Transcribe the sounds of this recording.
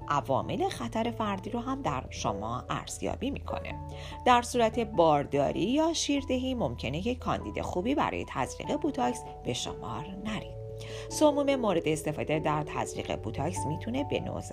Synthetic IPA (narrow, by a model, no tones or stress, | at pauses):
ʔævɒ̰ːmʔe̞le̞xæt̪ʰæɾe̞fæɾd̪iːɾɔɦæmd̪æɾʃo̰mɒːʔæ̰ɾz̥jɒ̰ːbimikʰo̞̰ne̞̰ | d̪̥æɾsuːɾæt̪ʰe̞bɒːɾd̪ɒ̰ːɾiːjɒːʃiːɾd̪eɦimo̞mcʰe̞nejeːɒnd̪iːd̪e̞̰xuːbiːbæ̰ɾɒ̰ːje̞t̪ʰæ̰zɾḭɣe̞but̪ʰɒcs | be̞ʃo̰mɒːɾnæɾid̪̥ | somuːme̞moɾe̞d̪eːst̪e̞fɒːd̪e̞d̪æɾt̪ʰæ̰zɾḭːɣḛbut̪ʰɒcsmiːt̪ʰune̞be̞̰no̰z